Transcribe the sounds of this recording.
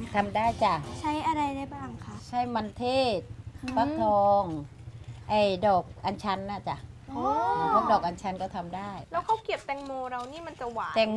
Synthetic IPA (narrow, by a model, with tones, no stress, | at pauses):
t̪ʰa˧mdaː˥˩jt͡ɕa˧˩t͡ɕʰa˦˥jʔa˧ɾa˧jdaː˥˩jbaː˧˩ŋkʰa˦˥t͡ɕʰa˥˩jma˧nt̪ʰeː˥˩t̪̚paː˥˩t̪ʰɔː˧ŋ | ʔa˧˩jdɔː˨˩k̚ʔa˧nt͡ɕʰa˧˥nːa˧˩t͡ɕa˨˩ʔoː˧aː˧˦pʰu˥˩k̚dɔː˨˩k̚ʔa˧nt͡ɕʰa˧˥nkɔː˥˩t̪ʰa˧mdaː˥˩jlɛː˦˥wkʰa˦˥˩wki˨˩əp̚t̪ɛ˧ŋmoː˧ɾa˧wniː˥˩ma˧nt͡ɕa˨˩waː˨˦t̪ɛː˧ŋ